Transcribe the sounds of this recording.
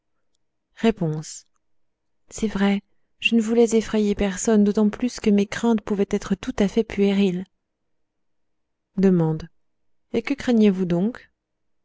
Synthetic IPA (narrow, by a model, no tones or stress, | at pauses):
ʁepɔ̃s | sɛvʁɛ | ʒ̥ənəvulɛzefχɛjepɛʁsɔnd̪ot̪ɑ̃plyskəmekχɛ̃t̪puvɛt̪ɛt̪χət̪ut̪afɛpɥeʁil | d̪əmɑ̃d̪ | ekəkχɛnjevud̪ɔ̃k